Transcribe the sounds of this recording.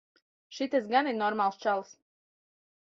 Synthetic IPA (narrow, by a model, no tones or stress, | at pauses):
ʃit̪ɛsɡaniɾnɔɾmalˠst͡ʃalˠs